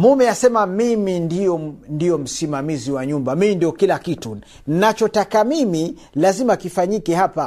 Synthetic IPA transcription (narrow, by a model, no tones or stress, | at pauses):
mumɛasɛmamimindijɔndijɔm̩simamiziwaɲumbamiindiɔkilakitu | n̩nat͡ʃɔtakamimi | lazimakifaɲikɛhapa